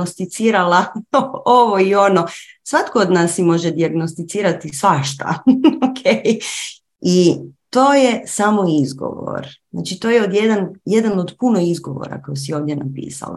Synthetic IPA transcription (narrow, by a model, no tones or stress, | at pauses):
ost̪it̪siːɾala | oʋoio̞nosʋat̪kood̪nasːimo̞ʒed̪iaɡnost̪it̪siːɾat̪isʋaʃt̪a̰okʰeːj | it̪o̞ːjesamo̞izɡo̞̰ʋo̰ɾzna̰t͡ʃit̪o̞ːjeod̪jed̪anjed̪anod̪puno̞izɡo̞ʋo̰ɾa̰kojosio̞ːʋd̪je̞napḭːsa̰la̰